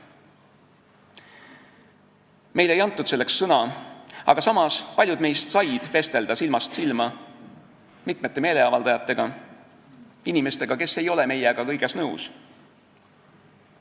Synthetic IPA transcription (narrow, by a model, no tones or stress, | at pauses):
me̞jle̞jɑnt̪ːˑud̪̥se̞lːe̞ksːɤnɑɑ̰ɡ̥ɑsɑmɑspɑlʲjud̪me̞jst̪sɑjd̪̥fe̞st̪e̞ld̪ɑsilmɑst̪silmɑ | mit̪ˑme̞t̪ːˑeme̞ːle̞ɑvɑld̪̥ɑjɑt̪ːˑe̞ɡ̥ɑ | inime̞st̪e̞ɡ̥ɑke̞sːe̞jo̞leme̞jɛɡ̥ɑkɤjɡ̥e̞snɤuws